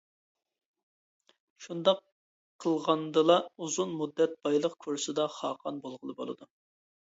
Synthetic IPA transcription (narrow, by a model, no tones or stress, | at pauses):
ʃund̪ɑqʰː | əlˠʁɑnd̪ɨlˠɑuzunmud̪ːɛt̪̚b̥ɑjlˠəqkʲʰuɾsɨd̪ɑχɑːqʰɑnbolˠʁəlˠɨbo̰lˠɨ̰d̪u